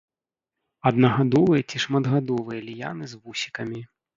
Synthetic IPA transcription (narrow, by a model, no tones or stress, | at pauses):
ɐd̪̚nɐɣad̪ɔvɨjɐt͡sʲiʂmɐd̪ɣad̪ɔvɨjɐlʲja̰nɨzvusʲi̥kɐmʲi